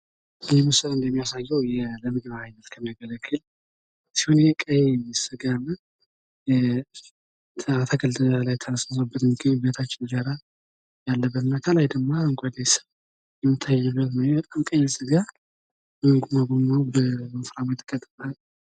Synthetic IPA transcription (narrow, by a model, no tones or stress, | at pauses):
ɛmɨsəlɨnd̪əmːijasajːɛwjɛləmɨɡbaajnət̪kʰəmijaɡələkːɨl | sihonjɛkʼəjɛsɨɡamə | t̪ʰat̪ʰaɡəlt̪ʰʼəalajt̪ʰːənəsasəbːət̪ɨnɡɨnbət̪ʰat͡ʃːɪnɡaɾa | jalːəbːət̪ɨnːakʰəlajd̪əɡmaɨŋkʷʼad̪esəβ | jɛmːɨt̪ʰːajːɛbːət̪nəwbət̪ʼamkʼəjɛsɨɡa | bəmɨɡumaɡomawbəməfɾamət̪ʼɨkʼːət̪ʼɨmal